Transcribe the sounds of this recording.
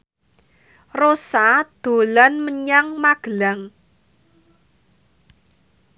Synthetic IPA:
rosad̪̥o̤lanməɲaŋmaɡ̥əlaŋ

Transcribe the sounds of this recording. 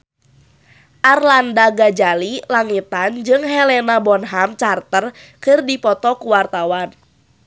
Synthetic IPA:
ʔarlandaɡad͡ʒalilaŋit̪and͡ʒɨŋɦɛlɛnabɔnɦamt͡ʃart̪ər | kɨrdipɔt̪ɔkuwart̪awan

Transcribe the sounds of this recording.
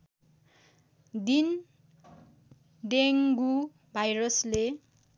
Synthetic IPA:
d̪in | ɖeŋɡu | bʱajɾʌsle

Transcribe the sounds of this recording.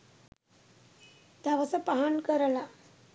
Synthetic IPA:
d̪aʋat͡sapaɦankəɾla

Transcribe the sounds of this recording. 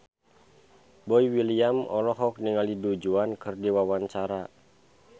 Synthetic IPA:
bɔiwiliamɔlɔɦɔk̚niŋalidud͡ʒuankɨrdiwawant͡ʃaɾa

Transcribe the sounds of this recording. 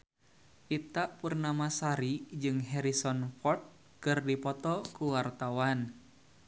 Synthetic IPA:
ʔit̪aʔpurnamasaɾid͡ʒɨŋɦɛɾisɔnfɔrt̪̚ | kɨrdipɔt̪ɔkuwart̪awan

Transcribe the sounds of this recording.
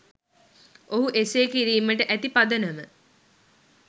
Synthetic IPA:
ʔoɦuʔeseːkiɾiːməʈəʔæt̪ipad̪ənəmə

